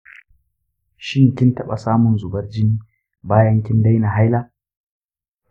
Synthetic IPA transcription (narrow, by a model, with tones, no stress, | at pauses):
ʃɪ˦ŋkʲɪ˦ntɐ˦ɓa̰˨saː˦mʊ˨nzʊ˨bɐ˦rd͡ʒɪ˦n | baː˦jɐ˦ŋkʲɪ˦nda˦jna˨ɦa˦jlaː˦